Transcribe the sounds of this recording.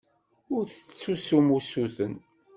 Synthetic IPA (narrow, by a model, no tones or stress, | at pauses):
ʊɾθə̥t͡sːusumusuθən